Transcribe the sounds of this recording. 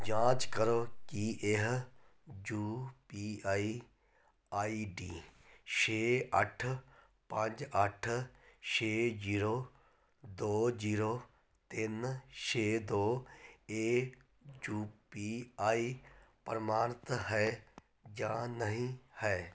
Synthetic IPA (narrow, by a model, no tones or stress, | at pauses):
d͡ʒãːt͡ʃkəɾoːkiʔeɦ | d͡ʒuːpiːaːi | aːiːɖiː | ʃʰeːəʈʰ | pɐ̃d͡ʒəʈʰʃʰeːd͡ʒiːɾoː | d̪oːd͡ʒiːɾoː | t̪ɪnʃʰeːd̪oːeː | d͡ʒuːpiːaːiːpəɾmaːɾt̪ɦɛː | d͡ʒãːnəɦĩhɛː